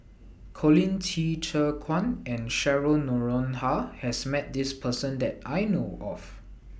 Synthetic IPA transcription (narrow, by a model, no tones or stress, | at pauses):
kʰɔlĩntʰit͡ʃəkʰwãnɛ̃nʃɛɹənɔɹɔ̃nhahɛsmɛt̚dispʰəsə̃ndɛtajnoʔɔ̰f